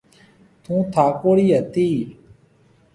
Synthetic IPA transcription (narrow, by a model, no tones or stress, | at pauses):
t̪ʰũːt̪ʰaːkoːɽiːɦət̪iː